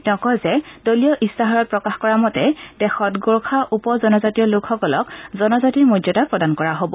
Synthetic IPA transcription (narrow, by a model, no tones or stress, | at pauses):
nɔkɔjzɛdolijɔʔistaɦaɹɔt̚pɹɔkaxkɔɹamɔtɛdɛxɔtɡoɹkʰaʔupɔzɔnɔzatiɔlʊkʰxɔkɔlɔkzɔnɔzatiɹmodjɔtapɹɔdankɔɹaɦobɔ